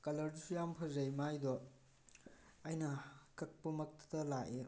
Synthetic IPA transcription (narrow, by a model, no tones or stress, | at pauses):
kɐlɐɾd͡ʒusujampʰɐzɐjmajdɔ | ajnɐkɐk̚pɐmɐk̚tʰɐ̥tɐlaʔe